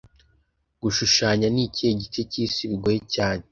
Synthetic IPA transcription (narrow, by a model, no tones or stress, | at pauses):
ɡ̥uʃuʃaːɲanice̞ɟit͡ʃeciːsiβiɡojecaːne